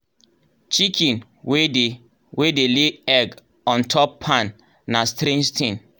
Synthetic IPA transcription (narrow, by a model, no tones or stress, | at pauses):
t͡ʃikʰĩn | wede | wedeleɛɡ | ɔ̃ntʰɔpːʰãnː | astɾẽnd͡ʒtʰĩn